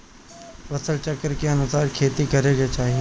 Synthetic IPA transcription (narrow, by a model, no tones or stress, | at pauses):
ʋɐsəlt͡ʃɐkːəɾkeɐnusaːɾkʰeːt̪ikɐɾeɡet͡ʃaːɦie